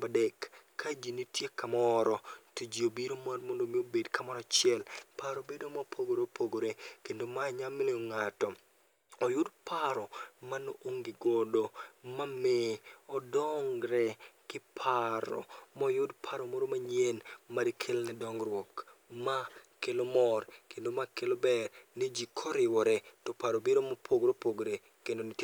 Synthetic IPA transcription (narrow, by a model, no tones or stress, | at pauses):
badɛkː | ad͡ʒinitʰjekamɔɾɔtud͡ʒiobiɾomarmondomiobedkamɔɾɔat͡ʃɪɛlpaɾobedomapʰoɡoɾeopʰoɡoɾekendomaɲamɪleoŋatɔ | ɔjʊdpʰaɾɔmanoʔoŋɡɪɡodomameɔdɔŋɾɛkɪpʰaɾɔ̰mɔjʊdpʰaɾɔmoɾomaɲjenmaɾikʰelnɛdɔŋɡɾwɔkmakelomɔrkendomakelobɛrnid͡ʒikʰɔɾɪwɔɾɛtɔpaɾobedomapʰoɡɾopoɡɾe | kendonɪt